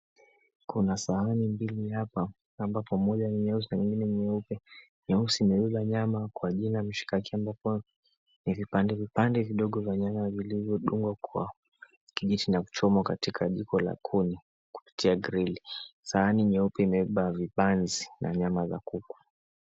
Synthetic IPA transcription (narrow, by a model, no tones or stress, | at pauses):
kunasaanimbilihapa | ambapɔmɔʄaniɲɛus̬inaɲiŋɡinɛɲɛupɛ | ɲɛusiːmɛɛɓaɲamakwaʄinam̩ʃi̥kakiambapɔ | nivipandɛvipandɛviɗɔɠɔvaɲamavilivjɔɗuŋɡwakʰwa̰ | kiʄitʰinaku̥t͡ʃɔmwakatikʰaʄikɔla̰kʰuni | ku̥pi̥tiaɡɾilisaaniɲɛupɛimɛiɓavipanzinʔa̰ɲamaza̰kukwḁ